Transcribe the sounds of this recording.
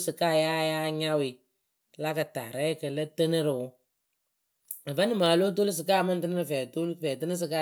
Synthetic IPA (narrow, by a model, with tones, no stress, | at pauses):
sɨ˨kaː˦˨ja˦jaː˦ɲa˦wɪ˨ | la˦kə˨ta̰˨ɾɛ˦kə˨lə˦tə˦nɨ˦ɾɨ˨ʊ˦ | ə˨ba˦nɨ˦˨maː˨lo˦t̬o˦li˦s̬ɨ˨kaː˦˨mə˦n˦tɨ˦nɨ˦ɾɨ˨fɛː˨to˦lfɛ˨tɨ˦nɨ˦s̬ɨ˨ka˦˨